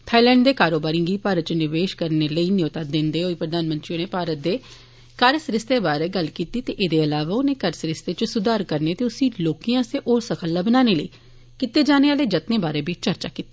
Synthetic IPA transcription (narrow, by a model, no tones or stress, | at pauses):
t̪ʰaːilɛ̃ːɳɖd̪eːkaːɾoːbaːɾĩɡiːpaːɾət̪̚t͡ʃnɪʋeːʃkəɾneːləiːnɪot̪aːd̪ɪnd̪eːoːiːpɾəd̪aːnmə̃nt̪ɾiːoneːpaːɾət̪̚d̪eː | kəɾsɾɪst̪eːbaːɾeːɡəlkiːt̪iːt̪eːʔeːd̪eːəlaːʋaːʊnẽːkəɾsɾɪst̪eːt͡ʃsʊd̪aːɾkəɾneːt̪eːʊsĩːloːkijãːseːʔoːɾsəkʰəlːaːbənaːneːləiː | kɪt̪eːd͡ʒaːneːaːleːd͡ʒət̪neːbaːɾeːbiːt͡ʃəɾt͡ʃaːkiːt̪e̥ː